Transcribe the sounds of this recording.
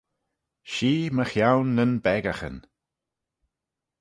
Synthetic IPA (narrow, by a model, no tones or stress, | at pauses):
ʃiːməxjawnːənbɛɡaxə̰n